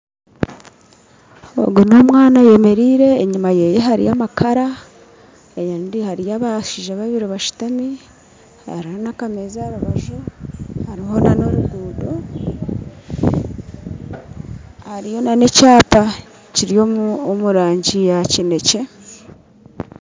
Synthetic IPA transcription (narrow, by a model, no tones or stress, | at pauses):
o̰ɡono̞ːmwaːnaje̞me̞ɾiːɾe̞ːɲimaje̞jeɦaɾḭjamakʰaɾa | ejendihaɾijaβaʃiʒaβaβiɾiβaʃu̥tami | ha̰ɾihonakamezaɾuβaʒuhaɾiɦo̞nano̞ɾuɡuːdo | haɾijo̞nane̞caːpa | ciɾijoomuɾaːɲɟijacine̞ce̞